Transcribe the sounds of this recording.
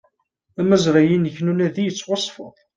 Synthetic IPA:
æmæzɾæjinəçnunæðijət͡sːwɑsˤːfə̰ðˤ

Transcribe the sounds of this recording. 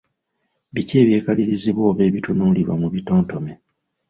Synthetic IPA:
βice̞ːβje̞ːkaliɾiziβo̞ːβe̞ːβitunuːliɾwa̰muβito̞ːnto̞me

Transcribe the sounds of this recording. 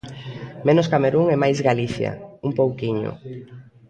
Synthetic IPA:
mẽnoskameɾuŋemajzɣaliθja̰umpowkiɲo̰

